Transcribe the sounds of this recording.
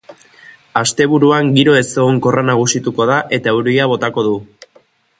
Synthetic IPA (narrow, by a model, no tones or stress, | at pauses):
ast̪e̞β̞uɾuaŋɡiɾo̞e̞seɣoŋko̞ranaɣ̞usit̪uko̞ðaʔe̞t̪auɾiaβ̞o̞t̪ako̞ðu